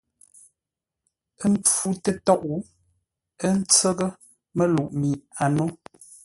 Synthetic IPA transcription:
ə˦m˦p͡fu˦tə˦tɔ˦ʔu˨ | ə˦n̩˦t͡sə˦ɣə˦ | mə˦lu˨ʔmi˨a˨no˦

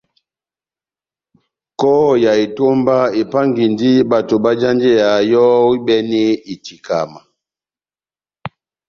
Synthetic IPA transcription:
kɔ˦˨ja˨e˨to˦mba˦e˨pa˦ŋɡi˨ndi˦ba˨to˨ba˦d͡ʒa˦nd͡ʒe˦ja˨jɔ˦wi˦bɛ˦ne˦i˨ti˨ka˨ma˨

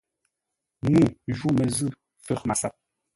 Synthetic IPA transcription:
nu˦˨ʒu˦mə˨zɨ˦ | fɛ˦˨ma˨sa˦˨p̚

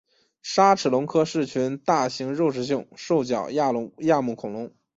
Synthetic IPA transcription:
ʂa˥ʈ͡ʂʰɻ̩˨˩lʊ˧˥ŋkʰɤ˥ʂɻ̩˥˩t͡ɕʰy˧˥nt̪a˥˩ɕi˧˥ŋɻo˥˩˧ʊʂɻ̩˥ɕ̬ji˥˩ŋʂo˥˩ʊt͡ɕjɑ˨˩ʊja˥˩˧ja˥˧mu˥˩kʰʊ˨˩ŋlʊ˧˥ŋ

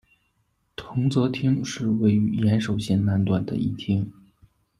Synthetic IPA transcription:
t̪ʰʊ˧˥ŋt͡sɤ˧˥t̪ʰi˥ŋʂɻ̩˥˧we˥˩ɪy˧˥jɛ˧˥nʂo˨˩ʊɕjɛ˥˧nna˥˧nt̪wa˨˩nd̪ə̰˦i˥˩t̪ʰi˥ŋ

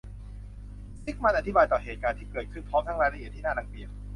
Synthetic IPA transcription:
si˦˥k̚ma˧nʔa˨˩t̪ʰi˦˥baː˧jt̪ɔː˨˩ɦeː˨˩t̪̚kaː˧nt̪ʰiː˥˩kɤː˨˩t̪̚kʰɯ˥˩npʰɔː˦˥mt̪ʰa˦˥ŋɾaː˧jɾa˧˥ʔi˨˩t̪ʰːiː˥˩aː˥˩na˨˩ŋ̚bi˧˩ə

